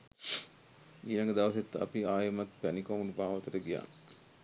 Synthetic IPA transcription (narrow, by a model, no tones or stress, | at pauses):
iːlɐŋɡəd̪aʋɐset̪ːa̰piaːjəmat̪pænikomulubʱaːʋət̪əɾəɡija̰ːn